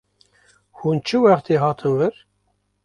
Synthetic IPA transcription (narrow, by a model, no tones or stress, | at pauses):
hunt͡ʃːəwɑqt̪iɦɑt̪ˤʰənvəɾ